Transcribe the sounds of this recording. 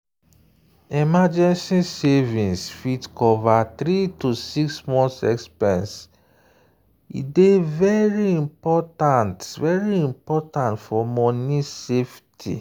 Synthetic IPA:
ɛmad͡ʒɛ̃nsisevĩnsfitkɔvat̪ɾitusiksmɔ̃nsɛ̰kspɛ̃ns | ḭdevɛɹiĩmpɔtãntvɛɹiĩmpɔtãntfɔmɔniseftʰḭ

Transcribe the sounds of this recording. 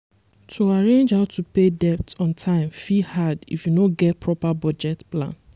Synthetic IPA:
tʰuaɹẽnd͡ʒhaʊtʰupedɛptɔ̃ntʰãɪ̃mfihadḭfjunoɡɛtpʰɹɔpabɔd͡ʒɛtplã̰n

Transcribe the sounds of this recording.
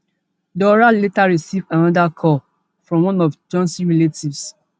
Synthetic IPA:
dɔɹaletaɹisivãnɔdakʰɔ | fɹɔ̃mwɔ̃nɔfd͡ʒɔ̃nsiɹeletivs

